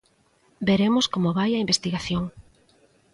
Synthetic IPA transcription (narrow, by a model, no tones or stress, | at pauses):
beɾemʊskomoβajɐimbest̪iɣaθjoŋ